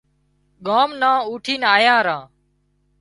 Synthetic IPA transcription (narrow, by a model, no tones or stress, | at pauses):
ɠaːmnãːuːʈʰiːnaːjãːɾãː